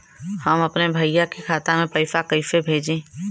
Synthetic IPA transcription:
hɐmɐpnebʱəɪjakikʰaːt̪amẽpəɪfakəɪfebʱeːd͡ʒẽː

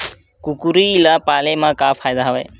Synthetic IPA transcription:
kukuɾiːlapalemãkapʰajd̪aɦabaj

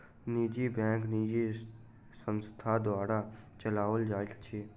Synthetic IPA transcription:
niːd͡ʒibɛ̃ːŋkniːd͡ʒi | sə̃nst̪ʰad̪oaːɽat͡ʃəlaːʋəld͡ʒaːt̪t͡ʃʰi

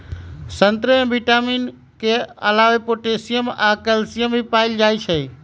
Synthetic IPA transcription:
sɐ̃nt̪ɾəɛ̃ːʋiʈaːmiːn | kʰeːɐlaːʋepoːʈeːsijəmaːkəlsijəmbipaːɪld͡ʒaːit͡ʃʰɐiː

